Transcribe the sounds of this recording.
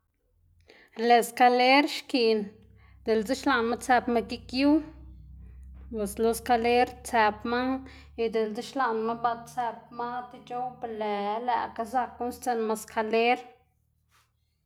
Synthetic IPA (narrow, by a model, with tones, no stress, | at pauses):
le˨ska˧le˦ɾʃki˨n | d̪̥e˨lt͡si˦ʃla˧˨nma˦t͡se˧pma˧ki˦kju˦ | pe˨slo˧ska˧le˦ɾt͡se˧pma˦ | i˧d̪e˨lt͡si˦ʃla˧ʔnma˦ba˧d̪t͡se˧p̚ma˦t̪i˧t͡ʃo˦wble˨˦la̰˧ʔka˧za˧kːu˦nst͡se˧nma˧skʰa˧le˦ɾ